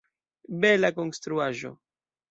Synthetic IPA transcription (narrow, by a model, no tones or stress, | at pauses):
belako̞nst̪ɾuaʒo̞̰